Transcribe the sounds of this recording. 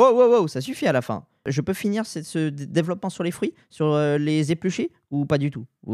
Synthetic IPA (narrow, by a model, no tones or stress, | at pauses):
owowowsas̬yfialafɛ̰̃ | ʒəpøfiniʁsɛsəd̪evlɔpmɑ̃syʁlefχɥi | syʁølezeplyʃe | upad̪yt̪u